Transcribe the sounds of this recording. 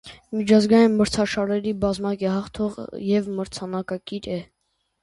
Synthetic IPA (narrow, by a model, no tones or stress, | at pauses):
mit͡ʃʰɑzɡɑjinməɾt͡sʰɑʃɑɾɛɾibɑzmɑkɛhɑχt̪ʰɔʁ̰jɛvməɾt͡sʰɑnɑkɑkiɾɛ